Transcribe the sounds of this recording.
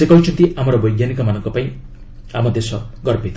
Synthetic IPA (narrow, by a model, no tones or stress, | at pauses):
sekʌwt͡ʃʰunt̪iʔamʌɾobʌjɡjanikɔmanʌŋkɔpaj̃ | amʌd̪esʌɡʌrpit̪